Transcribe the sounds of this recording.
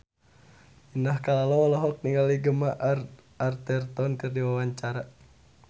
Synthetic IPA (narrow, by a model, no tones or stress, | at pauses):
inahkalalɔːlɔɦɔk̚niŋɡaliɡəmaʔr | art̪ɛrt̪ɔnkɨrdiwawaɲt͡ʃaɾa